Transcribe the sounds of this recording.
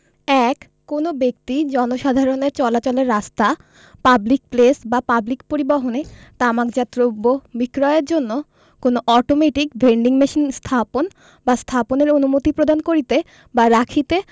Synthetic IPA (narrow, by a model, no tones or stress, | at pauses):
ɛkːonobek̚t̪id͡ʑɔnoʃad̪ʱaɾoneɾt͡ɕɔlat͡ɕɔleɾːast̪a | pablik̚plesbapablikpoɾibɔɦonet̪amakd͡ʑat̪ːɾobːobikɾɔeeɾd͡ʑonːo | konoʔɔʈomeʈikbʱeɳɖiŋmeʃinst̪ʰapon | bast̪ʰaponeɾonumot̪ipɾod̪ankoɾit̪e | baɾakʰit̪e